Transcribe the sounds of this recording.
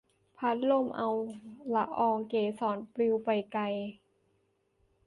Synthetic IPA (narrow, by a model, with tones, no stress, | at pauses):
pʰa˦˥t̪̚lo˥˩˨mʔa˧wla˧ʔʔɔː˧ŋkeː˨˩sɔː˩˦npli˧wpa˨jka˧j